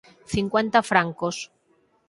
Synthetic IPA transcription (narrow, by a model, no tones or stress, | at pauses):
θiŋkwẽnt̪afɾaŋkos